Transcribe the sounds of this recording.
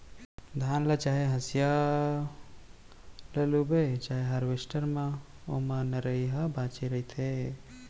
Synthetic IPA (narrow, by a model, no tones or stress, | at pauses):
d̪ʱaːnlət͡ʃaːɦeɦəsja | lelubet͡ʃaːɦeɦəɾʋesʈəɾmã | o̰mãnəɾəjɦabat͡ʃeɾəjt̪ʰe